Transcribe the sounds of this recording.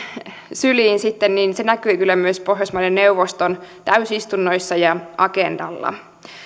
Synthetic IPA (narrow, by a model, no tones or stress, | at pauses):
syliːnsit̪ːenniːnsenækyikylːæmyøspo̞ɦjɑsmɑlenneuʋost̪ont̪æysist̪unːojsːɑjɑʔɑkend̥ɑ̰lːɑ̰